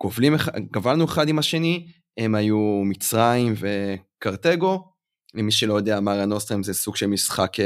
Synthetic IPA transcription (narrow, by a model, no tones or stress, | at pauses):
kovlimeχaɡ̥avalnueχad̪imaʃe̞ni | emajumit͡sʁaimve̞kaʁt̪eɡo̞ | lemiʃelojo̞d̪eamaʁanost̪ʁimzesuɡʃelmisχak